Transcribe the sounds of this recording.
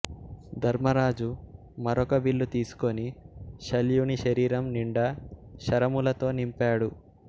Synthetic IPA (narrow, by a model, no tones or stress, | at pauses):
d̪ʱɐɾmɐɾaːd͡ʒu | mɐɾɔkɐʋiɭːut̪iːsu̥ko̞niʃɐljuniʃɐɾiːɾɐmniɳɖɐʃɐɾɐmulɐt̪o̞ːnimpaːɽu